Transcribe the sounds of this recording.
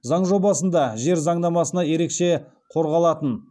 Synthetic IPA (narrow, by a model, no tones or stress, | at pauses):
zɑɴʒo̞bɑsənd̪ɑʒe̞ɾzɑɴd̪ɑmɑsənɑje̞ɾe̞kʃe̞ | qʰo̞ɾʁɑlˠɑt̪ən